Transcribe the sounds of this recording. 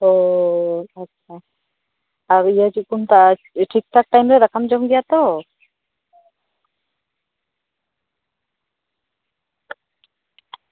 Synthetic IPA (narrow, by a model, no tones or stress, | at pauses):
o | atːʃʰa | aɾijad͡ʒikunt̪a | ʈʰik̚ʈʰak̚ʈajmɾeɾakamd͡ʒɔmɡijat̪o